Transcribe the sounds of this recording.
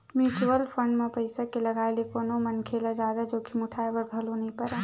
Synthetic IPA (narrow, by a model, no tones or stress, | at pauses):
mjut͡ʃuwəlpʰəɳɖmepəɪsakeləɡaelekoːnomənkʰelad͡ʒaːd̪ad͡ʒoːkʰimuʈʰaebəɾɡ̪ʱəlonəĩpəɾa